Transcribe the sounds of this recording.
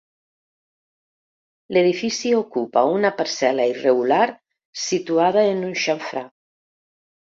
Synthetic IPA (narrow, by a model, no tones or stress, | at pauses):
leðifisiokupaunapaɾsɛlaireɣulaɾ | sit̪uað̞aenunʃaɱfɾa